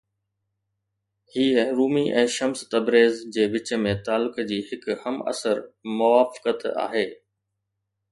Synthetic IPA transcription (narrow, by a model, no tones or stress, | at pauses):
hiːəɾuːmiʔɛ̃ːʃɐmst̪ɐbɾeːzd͡ʑeːʋɪt͡ɕəmẽt̪aːlʊkd͡ʑiːɦɪkhɐmɐ̰səɾmʊʋaːfɪ̥kət̪a̰ːɦeː